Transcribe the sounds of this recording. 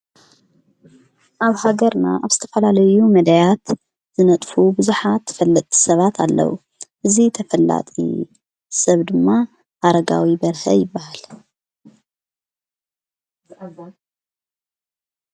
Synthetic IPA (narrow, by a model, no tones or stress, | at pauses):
ʔaβhaɡɐɾna̰ʔaβz̥ɨt̪ʰɐfɐlalɐjumɐd̪ajat̪ | z̥ɨnɐt̪ʼfubɨzuħat̪ːfɐlːɐt̪ʼʰːi̥sɐβat̪ʰa̰lːɐ̰wṵ | ʔɨzit̪ʰɐfɐlːa̰t̪ʼḭ | sɐβd̪ɨmːa | haɾɐɡa̰wibɐɾhɐ̰jɪbːahal